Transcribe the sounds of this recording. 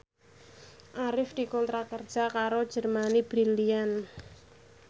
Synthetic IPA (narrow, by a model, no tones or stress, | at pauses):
ʔaɾɪfd̪̥i̤kɔnt̪ɾakərd̥ʒ̥a̤kaɾod̥ʒ̥ərmanib̥ɾilian